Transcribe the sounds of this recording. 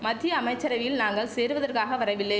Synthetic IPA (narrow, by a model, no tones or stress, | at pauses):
mɐd̪ːɪjɐːmɐɪt͡ʃːɐɾɐʋɪlnaːŋɡɐɭseːɾʋɐðɐrkaːɣɐʋɐɾɐʋɪlːɐɪ